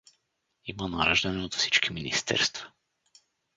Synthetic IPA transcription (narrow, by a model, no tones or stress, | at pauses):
imana̰ːɾaʒd̪aniod̪ḁsi̥t͡ʃkʲʰiminḭst̪ʰɛ̰ɾst̪vḁ